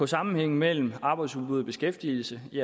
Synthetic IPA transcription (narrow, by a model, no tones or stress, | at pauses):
ɒ̽sɑ̈mn̩heŋ̰̩mel̰m̩ɑ̈ːb̥ɑ̈ɪ̥suðˠbuðˠb̥e̝sɡ̥efd̥iːl̩səiæ